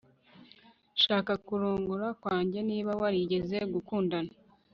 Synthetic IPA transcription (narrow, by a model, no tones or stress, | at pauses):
ʃaːkakuɾuːŋɡuɾakwaːɲɟe̞niːβawaɾiɟe̞ze̞ɡukuːndana